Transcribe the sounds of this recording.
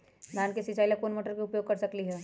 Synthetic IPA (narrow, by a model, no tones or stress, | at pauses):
d̪ʱaːnkesit͡ʃaːilakoːnmoːʈəɾkeʊpjoːɡ̚kɐɾsɐkliɦɛː